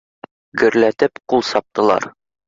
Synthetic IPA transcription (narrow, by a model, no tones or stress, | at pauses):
ɡɵ̆ɾlæt̪ɘpqulˠsɒp̚t̪ɤ̆lˠɑ̰ɾ